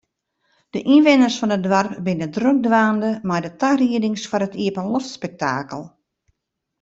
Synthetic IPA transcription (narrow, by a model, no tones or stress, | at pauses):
d̥əʔinʋɪnərsfɔnədʋarpbɪnədrøk̚dʋaːndəmajdətariədɪŋsfɔrətʰiəpənlɔftspɛk̚ta̰ːkəlˠ